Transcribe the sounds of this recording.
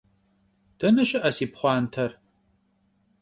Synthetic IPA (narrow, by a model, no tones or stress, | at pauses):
d̥ɐnɐɕɪʔɐsiːpχʷɑːntʰɐr